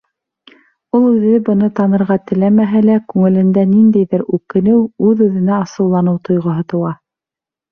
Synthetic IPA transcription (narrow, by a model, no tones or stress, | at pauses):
ulˠʉðɘbɤ̆nɤt̪ɑnɤ̆ɾʁɑt̪ɘ̆læmæɦælækʉŋɘ̆lɘ̆nd̪ænind̪æjðɘɾʉkɘ̆nɘwʉðʉðɘ̆næɑsɤ̆wlˠɑnɤwt̪ŏjʁɤ̆ɦɤt̪ɤ̆wɑ